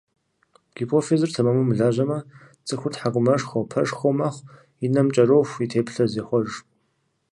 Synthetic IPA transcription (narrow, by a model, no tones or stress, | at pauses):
ɡ̥ipʰofezɨrtʰɐmɐmumɨɮaːʒɐmɐ | t͡sʼɨxʷʊtħakʷʼʊmɐʂxowpʰɐʂxʷowmaχʷ | inɐmt͡ʃʼɐrowxʷitʰeːpɬɐzeːxʷɔʒ